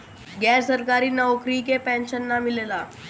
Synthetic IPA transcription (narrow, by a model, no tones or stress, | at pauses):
ɡɛɾsəɾkaɾiːnəʋkɾikepɛ̃nɕənːamilela